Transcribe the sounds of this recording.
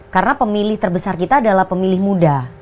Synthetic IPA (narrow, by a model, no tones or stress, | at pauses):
kaɾənapəmilɪht̪ərbəsarkit̪aːdalahpəmilɪhmuda